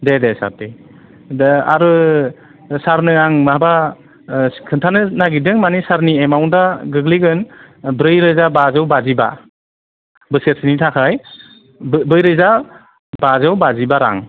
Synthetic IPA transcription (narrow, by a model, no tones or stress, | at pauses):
dedesa̰p̚te | a̰ɾɯ | saɾnɯaŋmaba | kʰɯntʰanɯnaɡidɯŋmanisaɾniemawndaɡɯɡliɡɯn | bɾɯjɾɯzabazɯwbaziba̰ | bɯseɾ̚sinitʰakʰaj | bɯjɾɯjza | bazɯwbazibaɾa̰ŋ